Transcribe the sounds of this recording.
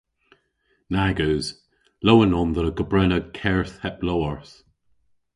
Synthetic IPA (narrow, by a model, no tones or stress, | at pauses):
naɡəːz̥ | lowənɔnðəɾəɡ̥əbɹɛnəkʰɛɹθhɛp̚lowəɹθ